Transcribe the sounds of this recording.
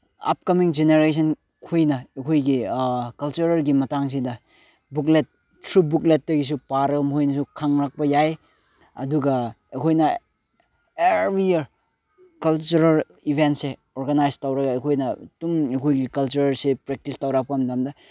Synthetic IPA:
ɐ̰p̚kɐmiŋd͡ʒeneɾes̬ʰɐn | kʰujnɐɐkʰojɡikɐlt͡ʃuɾɐɾɡimɐtaŋs̬idɐ | buk̬let̚ | tʰɾubuklet̚dɐɡis̬upaɾɐɡɐmhojnɐs̬ukʰaŋɾak̚pɐjaj | ɐ̰duɡɐ | ekʰojnɐ | eɾbɾiɐɾ | kɐlt͡ʃuɾɐl | ibʱentse | oɾɡɐnajstawɾɐɡɐːkʰojnɐtumekʰojɡikɐlt͡ʃuɾɐɾsepɾek̚tistawɾap̚kamdamdɐ

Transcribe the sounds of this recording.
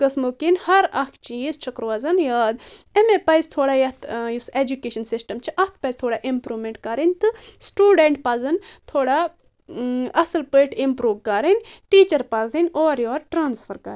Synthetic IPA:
kɐsmokinhɐɾɐkʰt͡ʃiːzt͡ʃʰɐkɾʋaːzɐnjaːd̪emepɐjzt̪ʰoːɽaːjɐt̪ʰjuseːd͡ʒukeːʃɐnsisʈɐmt͡ʃʰiʔɐt̪̚ʰpɐjzʲt̪ʰoːɽaʔimpɾuːʋmeɳʈkaːɾɐnʲt̪ɨsʈuːɖeɳʈpɐːzɐnt̪ʰoːɽaː | ɐsɨlpəʈʰimpɾuːʋkaːɾinʲʈiːt͡ʃɐɾpaːzinʲoːɾjoːɾʈɾaːnsfʰɐɾka̰ɾ

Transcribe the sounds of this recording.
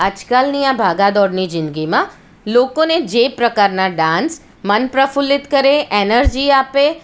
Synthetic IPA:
ɐd͡ʒkəlnijãbʱaːɡad̪ɔːɽnizɪ̃nd̪ɡimã | loːkõnẽd͡ʒeːpɾɐkaːɾnaɖãːns | mɐnpɾəfʊlɪt̪kɐɾeʔeːnəɾd͡ʒiːaːpe

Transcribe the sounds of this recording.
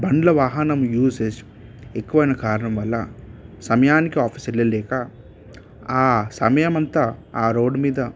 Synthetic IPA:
bɐɳɖlɐʋaːɦɐnɐmjuːses | ekːuʋɐjnɐkaːɾɐɳɐmʋɐlːɐsɐmɐjaːnikiaːpʰiselːeːlɛːka | aːsɐmɐjɐmɐnt̪aːaːɾo̞ːɖːumiːd̪ɐ

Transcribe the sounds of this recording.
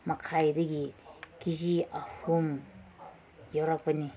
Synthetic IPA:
makʰajdɐɡikiziahum | jawɾapani

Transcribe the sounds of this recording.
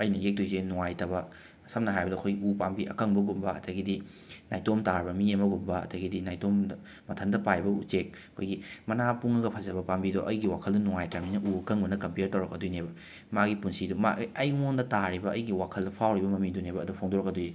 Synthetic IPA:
ɐjnɐjek̚dojzenuŋajtɐbɐ | sɐmnɐɦajbɐdɐkʰojɡiupambiʔɐ̰kɐŋbɐɡumbɐɐ̰tʰɐɡidi | najtomtaɾbɐmiemɐɡumbɐɐ̰tʰɐɡidinajtomdɐː | ɐtʰɐndɐpajbɐut͡ʃek̚ɐkʰojɡimɐnapuŋɐɡɐpʰɐzɐbɐpambidoʔɐjɡiwakʰɐldɐnuŋajtaminɐʔuɐkɐŋbɐnɐkɐmpeɾtɐwɾɐkːɐdujnebɐ | maɡipunsiduma̰iɐjŋondɐtaɾibɐɐjɡiwakʰɐldɐpʰawɾibɐmɐmidunebɐɐdupʰoŋdoɾɐkɐduj

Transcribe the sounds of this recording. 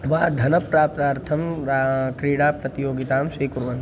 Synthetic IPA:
ʋaːd̪ʱɐnɐpɾaːp̚t̪aːɾt̪ʰɐm | kɾiːɽaːpɾɐt̪ijoːɡit̪aːmsiːkuɾʋɐn

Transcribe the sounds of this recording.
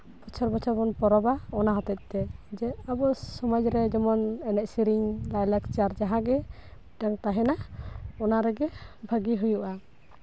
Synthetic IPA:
b̥ɔt͡ʃʰɔɾbɔt͡ʃʰɔɾbɔnpɔɾɔbaɔnaɦɔt̪at̪̚ˀt̪ɛd͡ʒɛabɔsɔmad͡ʒɾɛd͡ʒɔmɔnɛnɛʔsiɾiŋlajlakt͡ʃaɾd͡ʒaɦãɡɛ | daŋt̪aɦɛnaɔnaɾɛɡɛbʱaɡiɦujuʔa

